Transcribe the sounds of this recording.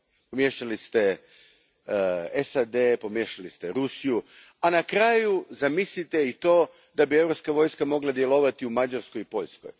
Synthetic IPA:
pomjeʃt̪alist̪e | esad̪e̞po̞mjeːʃalist̪eɾusiju | anakɾaːjuzamislit̪eit̪o̞ː | d̪abie̞vɾopskaʋo̞ːjskamo̞ɡlˠad̪je̞lˠo̞ʋat̪iumad͡ʒaɾsko̞jipo̞ʎʲsko̰j

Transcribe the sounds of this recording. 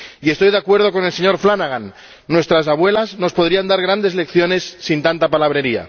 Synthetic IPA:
ie̞st̪o̞jðeakwe̞ɾð̞o̞ko̞ne̞lse̞ɲo̞ɾflanaɣanː | we̞st̪ɾas̬aβwe̞lazno̞spoðɾiand̪aɾɣɾand̪e̞zle̞kθjo̞ne̞sːint̪ant̪apalaβ̞ɾe̞ɾia̰

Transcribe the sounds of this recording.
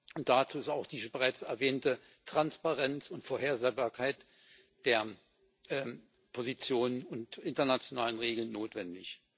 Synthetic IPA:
ʊnt̚d̥at͡suːɪstaʊxd̥iːzəbəʁaɪt͡sɛɐvɛːntə | tʁ̥anspaʁɛnt͡sʊntfoːɐɦeːɐzeːbaːɐkʰaɪt | d̥eːɐ | pʰozit͡sjoːnənʊntʔɪntɐnat͡sjonaːlənʁeːɡl̩nːoːtv̥ɛndɪç

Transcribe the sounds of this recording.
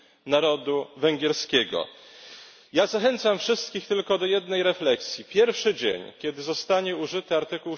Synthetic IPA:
naɾɔd̪uvɛŋɡʲjɛɾskʲɛɡɔ̰ | jazaxɛnt̪samfʂɘst̪kʲixt̪ɘlkɔd̪ɔjɛd̪nɛjɾɛflɛksʲjipʲjɛɾfʂɘd͡ʑḛɲkʲɛd̪ɘzɔst̪aɲɛuʐɘt̪ɘaɾt̪ɘkuw

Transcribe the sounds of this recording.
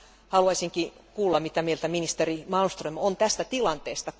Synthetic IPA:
hɑluɑisʲiŋki | kuːlːɑmmit̪æmielt̪æminist̪erimɑnst̪rømont̪æst̪æt̪ilɑnt̪eːst̪ɑ

